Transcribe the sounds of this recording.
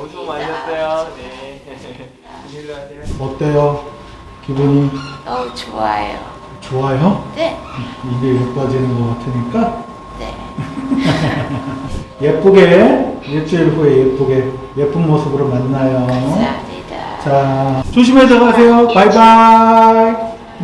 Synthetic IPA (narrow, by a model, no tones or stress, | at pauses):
omaʌs͈ejo | mʌt͈ejo | kibuɲi | oa̰jo̰ | t͡ɕoajo | iɡejep͈ad͡ʑinɯnɡʌk͈atʰɯɲik͈a | jep͈uɡejet͡ɕʰeɭɦuejep͈uɡe̞ | jep͈ʰuŋmosʰɯbɯɾomanːajo | t͡ɕat͡ɕoɕʰimed͡ʑʌɣasʰe̞jopaiba